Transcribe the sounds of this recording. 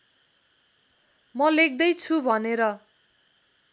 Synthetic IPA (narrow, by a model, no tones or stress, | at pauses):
mʌlek̚d̪ʌjt͡sʰubʱʌneɾʌ